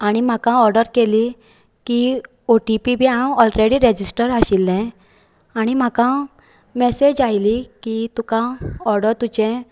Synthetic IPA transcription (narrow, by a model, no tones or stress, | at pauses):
aɽ̃im̤akãɔɾɖəɾkeli | ki | oʈipibʱiawɔlɾeɽiɾed͡ʑisʈəɾaɕilːɛ̃ | aɽ̃im̤akã | mɛsed͡ʑajlikit̪ukãɔɾɖəɾt̪ut͡ɕɛ̃